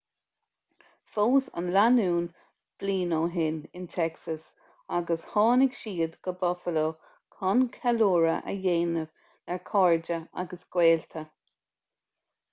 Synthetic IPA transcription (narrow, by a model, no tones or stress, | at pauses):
foːsə̰nlanuːn | b̥liːnoːɦɪnɪnt̪ʰɛksəs | aɡəshɑːnɪɡʃiːd̪ɡ̥əbɔfəloː | kʰɔnkʰɛloːɹəʔə̰jeːnəv | nɛɹkʰɔɹd͡ʒəa̰ɡəsɡ̥weːlt̪ʰə